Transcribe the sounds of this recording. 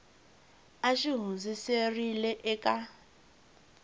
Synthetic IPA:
aʃiɦund͡ziserilɛʔɛka

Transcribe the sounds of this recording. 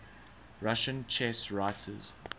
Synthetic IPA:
ɹaʃə̃nt͡ʃʰɛsɹaɪtʰəz̥

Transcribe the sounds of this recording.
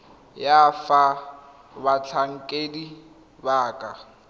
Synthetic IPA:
jafa | bat͡ɬʰaŋ̩kʼedi | baːkʼa

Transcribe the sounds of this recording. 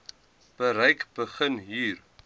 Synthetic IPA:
b̥əɾəjkb̥əχənɦiːr

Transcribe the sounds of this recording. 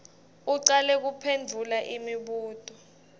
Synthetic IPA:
uǀalɛk̬upʰend͡vʱulaʔimiɓuːtʼɔ

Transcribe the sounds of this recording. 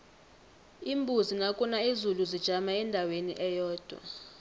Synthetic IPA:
imbʱuzinakʼunaizuluzid̥ʒ̥ʱamaɛndʱawenḭʔɛjɔːd̥ʱwa̰

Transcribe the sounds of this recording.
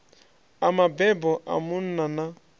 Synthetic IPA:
amabɛbɔʔa̰mʊn̩nana

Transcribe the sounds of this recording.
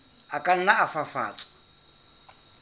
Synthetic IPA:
akʼan̩naːfafa̰ːt͡sʼɔ̥

